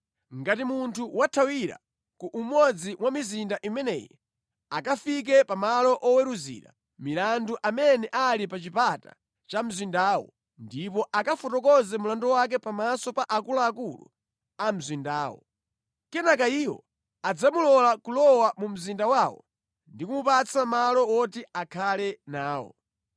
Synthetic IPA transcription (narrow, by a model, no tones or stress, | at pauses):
ŋɡatimuntʰuwatʰawiɾa̰ | kuʔumwɔd͡ziwamizindaʔimɛnɛ̰ːjɛ | akafik̬ɛpamalɔʔɔwɛɾuzḭɾa̰ | milanduʔamɛnɛʔalipat͡ʃipata̰ | t͡ʃam̩zwindaːwɔ̰ | ndipɔʔakafɔtɔkɔzɛmulandɔwak̬ɛpamasɔpaʔakulaːkulṵ | am̩zwindaːwɔ̰ | kɛnakaiːwɔ̰ | ad͡zamulɔlakulɔwamum̩zindawawɔ̰ | ndikumupat͡sʰamalɔwɔtiakʰalɛnaːwɔ̰